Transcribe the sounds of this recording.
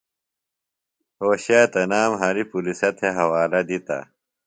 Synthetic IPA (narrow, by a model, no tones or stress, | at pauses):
oːɕaːt̪ɐnaːmɦɐɾipulisɐt̪ʰeɦɐwaːlɐd̪it̪ɐ̰